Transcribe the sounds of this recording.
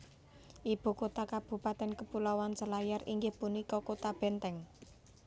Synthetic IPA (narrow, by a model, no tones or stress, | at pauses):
ʔib̥ṳkot̪akab̥ṳpat̪ɛnkəpulawant͡ʃəlajarḭŋɡɪhpunikɔkot̪ab̥ɛ̤nt̪ɛŋ